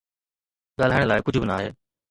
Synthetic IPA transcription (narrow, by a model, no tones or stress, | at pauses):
ɠaːl̤aːɪɽ̃laːkʊd͡ʑʱʊbɪnaːɦḛː